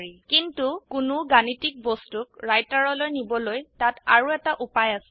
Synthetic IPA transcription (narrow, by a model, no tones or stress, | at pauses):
ɹikintukunʊɡanitik̚bɔstuk̚ɹajtaɹɔlojnibɔlojtata̰ɹuɛtaʔupajasɛ